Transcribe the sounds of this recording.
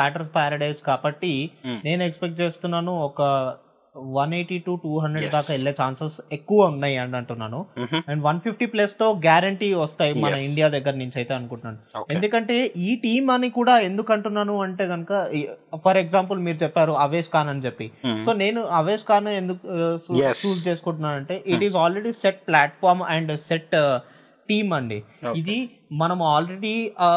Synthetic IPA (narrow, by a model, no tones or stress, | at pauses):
aːʈɐɾspaːɾɐɖɐjskaːbɐʈːine̞ːnuekspek̚ʈt͡ʃe̞ːst̪unːaːnuɔkɐ | ʋɐneːʈːiʈuːʈuːɦɐɳd̪ɾeɖd̪aːkɐiɭːeːt͡ʃaːnsɐsekːuʋɐunːaːjɐɳɐɳʈunːaːnuɛɳɖʋɐnpʰipʰʈiːplɐst̪o̞ːɡaːɾɐɳʈiːʋɐst̪aːjimɐɐiɳɖijaːd̪ɐɡːɐɾɐniɲt͡ʃɐjt̪e̞ːɐnukuɳʈunaːnuoend̪ukɐɳʈe̞ːʔiːʈiːmɐnikuːɽaːe̞nd̪ukɐɳʈunːaːnuɐɳʈe̞ːɡɐnukɐpʰɐɾeɡzaːmpulmiːɾut͡ʃɛpːaːɾuɐʋeːʃkaːnɐnit͡ʃepːiso̞ːne̞ːnuɐʋe̞ːʃkaːnɐend̪uku | suːt͡ʃeːsukuɳʈ̬unːaːnɐɳʈe̞ːʔiʈizaːlɾeɖiːseʈ̚plaːʈfʰaːɾmɛɳɖseʈː | iːmɐɳɖiid̪i | mɐnɐmuaːlɾe̞ɽiː